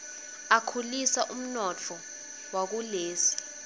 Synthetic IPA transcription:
akʰulisaʔum̩nɔt͡fʰɔ | wak̬uleːsi̥

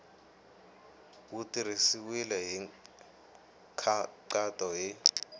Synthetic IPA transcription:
utʼirisiwilɛɦi | kʰǀatʼɔjɪ

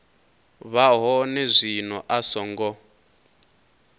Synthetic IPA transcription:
βaɦɔnɛzʷinɔʔasɔŋɡɔ

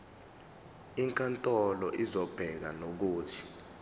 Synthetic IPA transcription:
iŋkʼantʼɔlɔʔizɔb̥ʱɛk̬anok̬uːtʰi̥

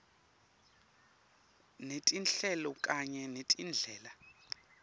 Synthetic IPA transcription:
netʼinɬɛlɔkʼaɲɛnetʼind͡ɮʱɛːla

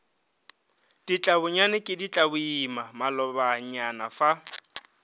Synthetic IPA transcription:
d̥it͡ɬʼabʊɲanɪkʼɪdit͡ɬʼabʊimamalɔbaɲanafa

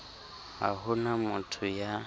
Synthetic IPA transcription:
a̰ɦʊnamʊtʰʊja

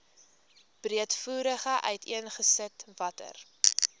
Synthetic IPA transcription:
b̥riətfuːɾəχəʔœ̰ɥtiənχəsətvɐtə̰r

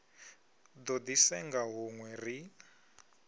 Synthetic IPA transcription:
d̪ɔd̪isɛŋɡaɦuŋwɛri

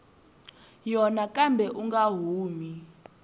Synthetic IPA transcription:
jɔnakambʱɛʔuŋɡaɦuːmi

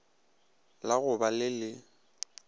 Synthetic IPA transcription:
laɣʊbalɪlɪ

